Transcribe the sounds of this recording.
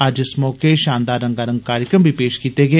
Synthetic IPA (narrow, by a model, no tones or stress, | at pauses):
ɐd͡ʒɪsmɔːkeʃãːnd̪aːɾəŋɡaːɾə̃ŋɡ̚kaːɾjəkɾəmbʱiːpeːʃkiːt̪eːɡeː